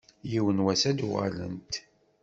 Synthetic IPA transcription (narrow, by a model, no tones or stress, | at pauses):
jiwənwæsæd̪uʁa̰lə̰nt̪